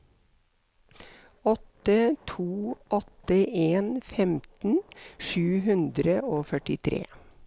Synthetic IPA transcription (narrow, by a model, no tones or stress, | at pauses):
ɔt̪ət̪ʰuːʔɔt̪əʔeːnfɛmt̪n̩ʃʉːɦʉnd̪ɾəʔoːfœʈɪt̪ʰɾḛː